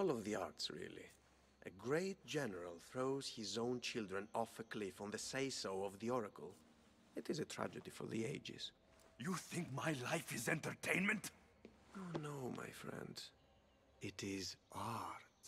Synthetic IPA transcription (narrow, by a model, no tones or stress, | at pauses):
ɔlˠʌvðiɑ̰ɹtsɹɪ̰lˠḭ | ʔɨɡɹeɪt̚d̥ʒ̥ɛnəɹəlˠθɹoʊz̥hɪzõʊ̃nt͡ʃʰɪlˠdɹɨ̃nɔfəkʰlɪfɔ̃n̩ðɨseɪsoʊʌvðiɔɹəkʰə̰l̩ˠ | ɨɾɨzɨtʰɹæ̰d͡ʒɨdifə̰˞ðḭeɪd͡ʒɪ̰z̥ | juθɪ̃ŋk̚maɪlaɪfɪzɛ̃ntə˞tʰẽɪ̃nmɨ̃nt | onoʊma̰ɪfɹɛ̰̃nd | ɪɾɪzʔɑɹt